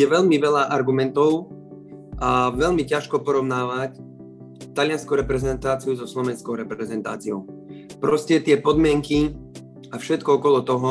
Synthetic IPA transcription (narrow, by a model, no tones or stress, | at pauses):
ɛʋɛʎmiʋɛlaʔaɾɡumɛnt̪ɔʊ | ʔaʋɛʎmicaʃkɔpɔɾɔʊnaːʋac | t̪alɪanskuʊɾɛpɾɛzɛnt̪aːt͡siuzɔslɔʋɛnskɔʊɾɛpɾɛzɛnt̪a̰ːt͡siɔʊpɾɔscɛt̪ɪɛpɔd̪mɪɛŋki | afʃɛt̪kɔɔkɔlɔt̪ɔɦɔ